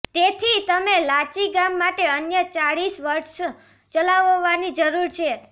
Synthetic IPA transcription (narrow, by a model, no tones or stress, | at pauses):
t̪et̪ʰit̪əmelat͡ʃiɡamːaʈeənjət͡ʃaɭisʋəɾʃ | t͡ʃəlaʋoʋanid͡ʒəɾuɾt͡ʃʰe